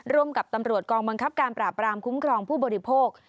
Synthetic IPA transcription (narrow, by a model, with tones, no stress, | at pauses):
ɾu˧˩əmka˨˩p̚t̪a˧mɾu˨˩ət̪̚kɔː˧ŋba˧ŋkʰa˦˥p̚kaː˧npɾaː˨˩pːɾaː˧mkʰu˦˥mkʰɾɔː˧ŋpʰuː˥˩bɔː˧ɾi˦˥pʰoː˥˩k̚